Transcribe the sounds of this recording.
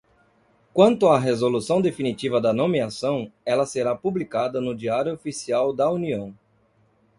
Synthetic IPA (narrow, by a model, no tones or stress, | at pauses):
kwɐ̃nt̪ʊɐɦezolusɐ̃w̃d̪efinit͡ʃivɐd̪ɐnõmiasɐ̃w̃ɛlɐseɾapublikad̪ɐnʊd͡ʒiaɾjʊofisiawd̪ɐuniɐ̃w̃